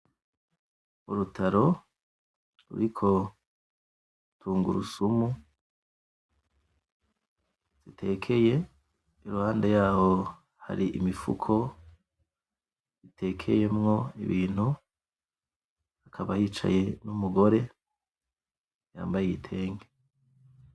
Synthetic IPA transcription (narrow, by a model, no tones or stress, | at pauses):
muɾutʰaɾo̞ | ɾṵɾikʰo̞ | tʰuːŋɡuɾusumu | z̥itʰe̞ːkʰe̞je̞ | iɾuhaːndejaːho̞ | ha̰ɾiʔimifṵkʰo̞ | zitʰe̞ːkʰe̞̰je̞mŋo̞ḭβiːn̥hu | akʰaβahiːt͡ʃa̰je̞numuɡo̞ɾe̞ | ja̰ːmbajeɡitʰe̞ːŋɡe